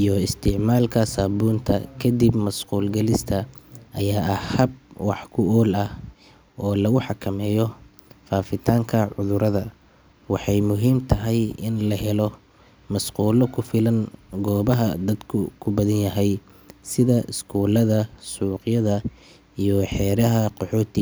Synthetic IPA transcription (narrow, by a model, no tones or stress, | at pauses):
ijɔɪst̪ʰɪʕmaːlkʰɐsaːbuːnt̪ʰɐ̰kʰɐd̪ibmɐsquːlɡɐlɪst̪ʰɐʔɐjaːʔɐhɐb̚wɑħkʰʊʔɔːlɐh | ʔɔːlɐɣʊħɑkʰɐmɛːjɔ | faːfɪt̪ʰaːŋkʰɐʕʊðʊɾɐðɐ | wɑħɑjmʊɦiːmt̪ʰɐɦɛjɪnlɐɦɛlɔ | mɐsquːlɔkʰʊfɪlɐŋɡɔːβɐɦɐd̪ɐd̪kʰʊkʰʊbɐðɐnjɐɦɛj | sɪðɐʔɪskʰuːlɐðɐsuːqjɐðɐ | ijɔħɛːɾɐɦɐqɔħɔːt̪ʰɪ